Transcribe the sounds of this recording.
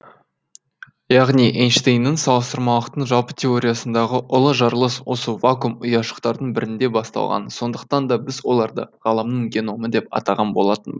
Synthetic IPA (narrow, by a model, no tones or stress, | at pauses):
jɑʁniʔenʃt̪ejnːəɴsɑlˠəst̪əɾmɑlˠəqt̪əɴʒɑlˠpə̥t̪ʰe̞o̞ɾʲijasənd̪ɑʁəʔʊlˠəʒɑɾlˠəswo̞səvakumʊjɑʃə̥qt̪ɑɾd̪əɴbɪɾɪnd̪e̞bɑst̪ɑ̰lˠʁɑ̰nso̞nd̪əq̚t̪ɑnd̪ɑbɪzwo̞lˠɑɾd̪ə̰ʁ̥ɑlˠəmnəɴɡʲe̞no̞məd̪e̞p̚ɑ̰t̪ɑʁɑnbo̞lˠɑt̪ən